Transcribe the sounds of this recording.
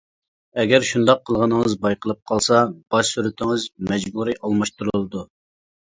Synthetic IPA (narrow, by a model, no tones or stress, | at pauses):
ɛɡʲɛɾʃund̪ɑqʰːəlˠʁənəŋəzbɑjqʰəlˠɨp̚qʰɑlˠsɑb̥ɑʃsyɾyt̪ʰɪŋɨzmɛd͡ʒbuɾiʔɑlˠmɑʃt̪uɾlˠɨd̪u